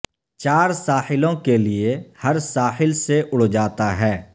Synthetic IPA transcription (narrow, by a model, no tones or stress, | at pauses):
t͡ʃaːɾsaːhɪlõkeliehɐɾsaːhɪlseʔʊɽd͡ʒaːt̪aɦɛː